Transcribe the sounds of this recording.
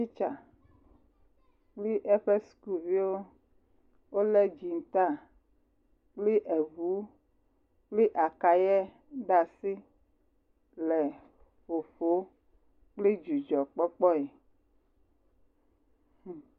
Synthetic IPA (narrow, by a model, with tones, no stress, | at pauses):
i˦t͡ʃa˨ | k͡pli˦ʔɛ˦ɸe˦sku˨vi˦wo˦ | wo˦lɛ˦d͡ʒi˨ŋ̩˨t̪a˦˨ | k͡ple˦ʔɛ˨vu˨˦ | k͡ple˦ʔa˨ka˨jɛ˦ | ɖa˨si˦ | lɛ˨ | ɸo˨ɸo˦ | k͡ple˦d͡ʒu˨d͡ʒɔ˨k͡pɔ˦k͡pɔ˦e˨